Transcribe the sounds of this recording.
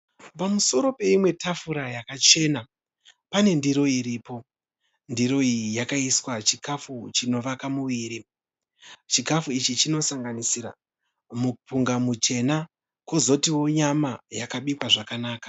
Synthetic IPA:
pamuso̞ɾo̞pe̞imwe̞tafuɾajakat͡ʃe̞ːna | pane̞ndiɾo̞iɾiːpo̞ | ndiɾo̞ijakaiswat͡ʃikʰafut͡ʃino̞ʋakamuʋiːɾi | t͡ʃikafuit͡ʃit͡ʃino̞saŋɡanisiɾa̰ | mupuŋɡamut͡ʃe̞na | kozo̞tiwo̞ɲamajakaɓikwaʐakanaːkḁ

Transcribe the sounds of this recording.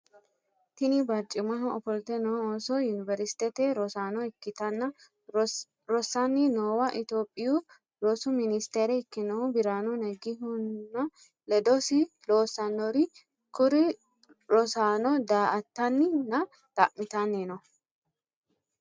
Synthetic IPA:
t̪ɪnibat͡ʃʼːɪmɐnɔɔfɔlt̪ɛnosɔjʊnɪvɛɾɪst̪ɛt̪ɛɾɔsaːnɔɪkːɪt̪ɐnːɐ | ɾɔsːanːɪnoːwɐʔɪt̪oːpʼːɪju | ɾosʊmɪnɪst̪eːɾɛɪkːɪnɐubɪɾaːnunɛɡɪɦʊnːɐ | lɛd̪osɪ | loːsɐnːɔɾɪ | kʊɾɪ | ɾɔsaːnɔd̪aːʔɐt̪ːɐnːɪnɐ | t̪ɐ̰ʔmɪt̪ɐnːenɔ

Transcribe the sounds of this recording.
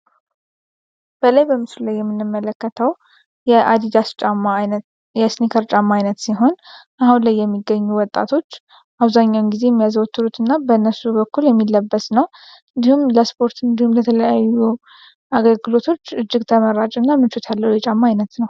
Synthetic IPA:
b̥əlajbəmɨslulajːɛmːɨnːɨmːələkːət̪ʰəw | jɛʔad̪id̪ast͡ʃʼamːa | jɛsnikʰəɾt͡ʃʼamːaajnət̪siɦo̞nʔahunlajːɛmːiɡːəɲːuwɔt̪ʼːa̰t̪ʰo̞t͡ʃː | ʔaβzaɲːawnɡize̞jɛmːijazwɔt̪ːɨɾut̪ɨnːabəɨnːəsubəkʰːuljɛmːilːəbːəsnəw | ɨnd̪ihumləspʰo̞ɾt̪ɨnd̪ihumlət̪ʰələjajːu | aɡəlɡɨlo̞t̪ʰo̞t͡ʃːɨd͡ʒːɪɡt̪ʰəməɾat͡ʃʼɨnːamɨnt͡ʃut̪ʰalːəhujɛt͡ʃʼamːaːjnət̪nəw

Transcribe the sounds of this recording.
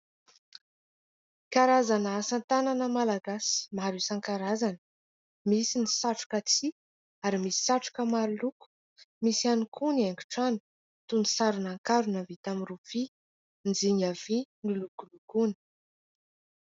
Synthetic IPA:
kaɾazanəasant̪ananəmalaɡasi̥maɾusaŋkaɾazanə̥ | misinisaʈ͡ʂu̥kat͡si | aɾimisi̥saʈ͡ʂu̥kəmaɾuluku̥ | misianikʰunaŋɡu̥ʈ͡ʂani̥ | t̪unisaɾunaŋkaɾunavit̪amirufi | nd͡ziɲav̥inilukulukunə̥

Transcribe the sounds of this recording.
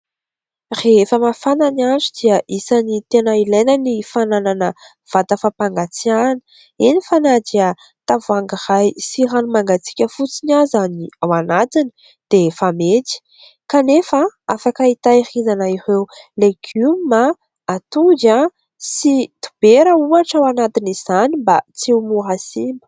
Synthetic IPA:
refəmafananiand͡zid̪̥iəʔisanit̪enəilejnənifanananə | v̥at̪əfapaŋɡat͡siani̥ | inifanad̪iə | t̪avuaŋɡirajsiranumaŋɡat͡si̥kʲəfut͡sinazaniawanat̪ini̥ | d̪̥efamet̪i̥ | kanefaafakəit̪aihinanairewleɡ̥umma | at̪ud͡ʒa | sit̪u̥b̥eɾəuaʈ͡ʂawanat̪iniz̥animbat͡sewmuɦasimbə̥

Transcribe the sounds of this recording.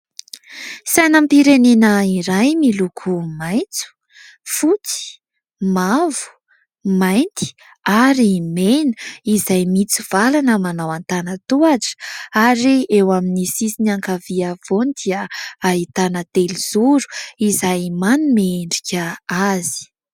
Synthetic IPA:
sajnampiɾenenəiɾajmilukʰumajnt͡su̥ | fut͡si̥ | mavu̥ | majnt̪i̥ | aɾimenə̥izajmit͡siv̥alanəmanawant̪anət̪uaʈ͡ʂə̥aɾiewaminisisiniaŋkaviav̥onid̪iəait̪anət̪eliz̥uɾu̥izajmanumeɳɖ͡ʐikʲəazi̥

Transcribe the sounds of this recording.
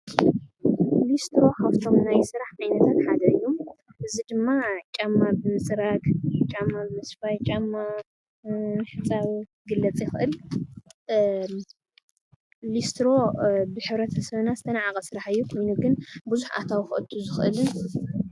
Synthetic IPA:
list̪ɾo̞kʰaβt̪ʰo̞mnajsɨɾaħʔajnɐt̪ʰat̪ħad̪ɐɨjːumʔɨzid̪ɨmːat͡ʃʼamːabɨmɨsʼɾaɡt͡ʃʼamːabɨmɨsfajt͡ʃʼamːa | ħɨt͡sʼaβ | ɡɨlːɐt͡sʼjɪxʔɨl | list̪ɾo̞bɨħɨβɾɐt̪ʰɐsɐβnazɨt̪ʰɐnaʕakʼɐsɨɾaħɨjːukʰo̞jnuɡɨnbɨzuħʔa̰t̪ʰawxɨʔɨt̪ʰːuzɨxʔɨlɨn

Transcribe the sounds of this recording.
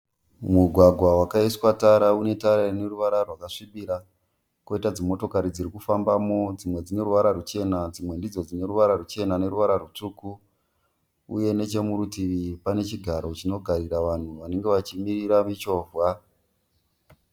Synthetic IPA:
muɡʱwaɡʱwawakaiswataɾaune̞taɾane̞ɾuʋaɾarwakaʂiɓiɾa | ko̞itad͡zimo̞to̞kaɾid͡ziɾikufambamo̞d͡zimwe̞d͡zine̞ɾuʋaɾaɾut͡ʃe̞nad͡zimwe̞ndid͡zo̞d͡zine̞ɾuʋaɾaɾut͡ʃe̞nane̞ɾuʋaɾaɾut͡ʂuku | ṵje̞ne̞t͡ʃe̞muɾutiʋipane̞t͡ʃiɡʱaɾo̞t͡ʃino̞ɡʱariɾaʋan̤uʋane̞ŋɡe̞ʋat͡ʃimiriɾamit͡ʃo̞ːvwa

